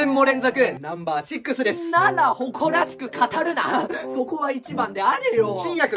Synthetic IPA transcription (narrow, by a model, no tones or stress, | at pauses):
ẽmːo̞ɾẽ̞nzakɯ̟ẽnnãmbaːɕikːɯ̟sɨd̪e̞snad̪aho̞kʰo̞ɾaɕi̥kɯ̟kʰat̪aɾɯ̟na̰so̞ko̞βait͡ɕibãnd̪e̞aɾejoɕĩɰ̃jakɯ̟